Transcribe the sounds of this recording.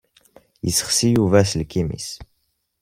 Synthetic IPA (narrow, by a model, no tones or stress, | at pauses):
ḭsə̥χsijuvæslkimḭs